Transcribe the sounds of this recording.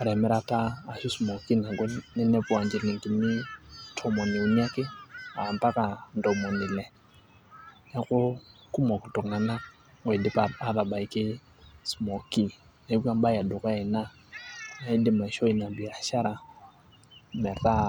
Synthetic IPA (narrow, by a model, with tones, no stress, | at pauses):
a˨ɾɛ˨mɛ˦ɾa˦taː˦˨ʃu˦smɔ˨ki˦na˨ɡɔ˦nɛ˦nɛ˦pwa˨ɲd͡ʒɪ˨li˨ŋki˨nɪ˦tʰɔ˨mɔ˨ni˨u˨ni˦a˦kɪ˦a˨mpa˦ka˨ndɔ˨mɔ˨nɪ˨lɛ˨ | ja˦kʊ˦ | ku˦mɔ˨ku˨tʊ˨kna˨na˦ | ŋɔ˨dɪ˦pa˨a˦ða˨ba˨i˨kɪ˦ | smo˨ki˦ | n˨˦bʷa˦m˦ba˦ja˨dʊ˨ka˦ɪ˨na˦ | na˨i˦dɪ˦ma˨ʃɔ˦i˦na˨bi˨ɾa˨ʃa˦ɾa˨ | mɛ˨ða˦